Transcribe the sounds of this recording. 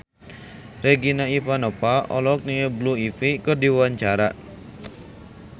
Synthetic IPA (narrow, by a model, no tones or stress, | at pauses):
reɡinaifanɔpaʔɔ̰lɔk̚niəbluifikərdiwaɲt͡ʃaɾaʔ